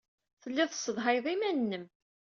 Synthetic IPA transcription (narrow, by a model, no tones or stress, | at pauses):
θəlːɪðəsːəðˤɦɑjðˤimænːəm